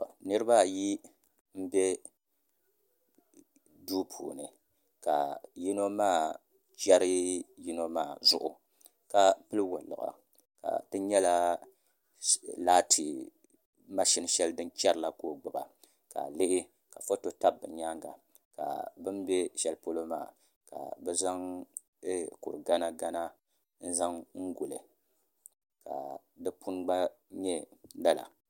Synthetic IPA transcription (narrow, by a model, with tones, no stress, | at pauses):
nɨ˦ɾɨ˦ba˦˨ji˦ | m̩˦be˦ | duː˦pʰṵː˨nɨ˨ | ka̰˨ji˦no˦maː˦˨ | t͡ʃɛ˦ɾɨ˦ji˦no˦maː˦˨zʊ˦ʔʊ˨ | ka˨pɨ˦lɨ˦wo˨lɨ̰˨ʔa̰˨ | ka̰˨tɨ˦ɲɛ˦la˦ | laː˦tʰi˨ | ma˦ʃi˦n˦ʃɛ˦ldɨ˦nt͡ʃɛ˦ɾɨ˨la˦koː˦ɡ͡bʊ˨ba̰˨ | ka̰˨lɪ˦ʔɪ˦ | ka˨fo˦to˦ta˦bːɨ̰˨ɲa˦ŋɡa̰˨ | ka̰˨bɨ˦nbɛ˦ʃɛ˦lpo˦lo˦ma̰ː˦˨ | ka̰˨bɛ˦za˦ŋ˦ | kṵ˨ɾɡa˦na˦ɡa˦na˦ | n̩˦za˦ŋŋ̩˦ɡu˨lɨ˨ | ka̰˨ | dɨ˦pʰu˦nɡ͡ba˦ | ɲɛ˦da˦la̰˨